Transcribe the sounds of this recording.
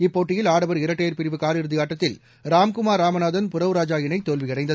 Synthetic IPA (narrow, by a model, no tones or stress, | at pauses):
ɪpːoːʈːɪjɪlaːɽɐbɐɾɪɾɐʈːeːɾpɪɾɪʋɯkaːɾɪɾɯðɪɣaːʈːɐt̪ːɪl | ɾaːmkʊmaːɾaːmɐnaːðɐnpʊɾɐʋɾaːd͡ʒaːjɪnɐɪt̪ːoːlʋɪjɐɽɐɪnd̪ɐ